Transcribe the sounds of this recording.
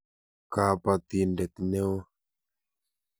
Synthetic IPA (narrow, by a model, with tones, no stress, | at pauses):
ka˨pa˨t̪i˨ndɛ˨t̪i˨ne˦wo˦